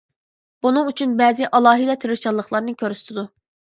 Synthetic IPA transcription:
b̥unuŋyt͡ʃʰynbɛːzɪʔɑlˠɑːɦid̪ɛt̪ʰeɾut͡ʃɑlˠəχlˠɑɾnɨkʲʰøɾsy̥t̪ʰid̪u

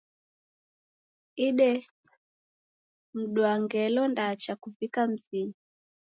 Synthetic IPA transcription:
iɗɛ | m̩ɗwaŋɡɛlɔndat͡ʃakuvikam̩zii

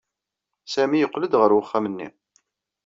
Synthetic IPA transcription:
sæmijəqːləd̪ʁəɾwəχːæmənːḭ

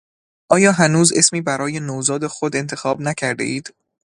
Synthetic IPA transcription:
ʔɒːjɒːɦænuːze̞smiːbæɾɒːje̞noːzɒːd̪e̞xod̪e̞nt̪ʰe̞xɒːbnæcʰæɾd̪ḛʔiːd̪̥

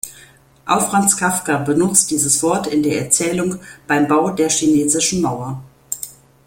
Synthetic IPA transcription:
ʔaʊfʁ̥ant͡skʰafkɐbənʊt͡st̚d̥iːzəsv̥ɔɐtɪndeːɐʔɛɐt͡sɛːlʊŋb̥aɪmbaʊdeːɐʃineːzɪʃn̩maʊɐ

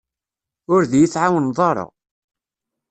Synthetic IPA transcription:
ʊɾðjiθʕawənðˤɑɾˤə̰ʁ

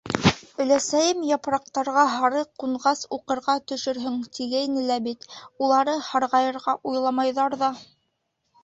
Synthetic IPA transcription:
ɵ̆læsæjɘmjɑpɾɑq̚t̪ɑɾʁɑɦɑɾɤquɴʁɑsuqɤ̆ɾʁɑt̪ɵ̆ʃɵ̆ɾɦɵŋt̪ʰiɡæinɘlæbit̪ulˠɑɾɤhɑɾʁɑjɤ̆ɾʁɑʔujlˠɑmɑjðɑɾðɑ

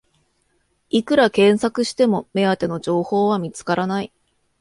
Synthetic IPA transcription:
ikɯ̟ɾakẽ̞ɰ̃sakɯ̟ɕi̥t̪e̞mo̞me̞at̪e̞no̞d͡ʑo̞ːho̞ːβ̞amʲit͡sɨ̥kaɾanai

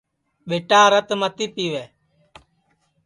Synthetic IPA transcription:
ɓeːʈaːɾət̪mət̪iːpiːʋeː

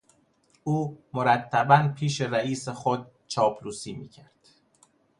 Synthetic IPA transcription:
ʔuːmoɾæt̪ʰːæbænpʰiːʃe̞ɾæiːsexod̪̚ | t͡ʃʰɒːpʰluːsiːmḭːcʰæɾd̪̥

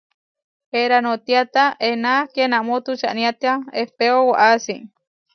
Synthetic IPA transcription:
eɾanot̪iat̪aʔenakenamot̪ut͡ʃa̰ʔnĩat̪eaehpeowaʔasi

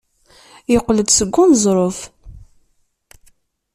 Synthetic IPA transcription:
jəqːləd̪səɡʷːunzˤɾˤof

